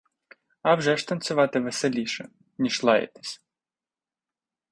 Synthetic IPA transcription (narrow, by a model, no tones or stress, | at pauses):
ɐwʒɛʃt̪ɐnt͡sʲʊʋɑt̪ɪʋeselʲiʃɛ̰ | nʲiʃlˠɑjḛt̪e̥sʲ